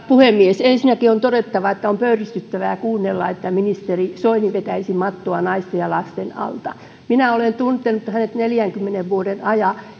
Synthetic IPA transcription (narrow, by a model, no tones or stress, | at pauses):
puhemːiesensinækiont̪oɾet̪ːɑʋɑet̪ːæompøyrist̪yt̪ːæʋæjɑkuːnːelːɑ̰et̪ːæminist̪erisoiniʋet̪æisimɑt̪ːoɑnɑist̪ejjɑlɑst̪enɑ̰lt̪ɑ | minæolent̪unt̪ːˑenut̪hænet̪neljæŋkymːeneʋʋuodenɑjɑ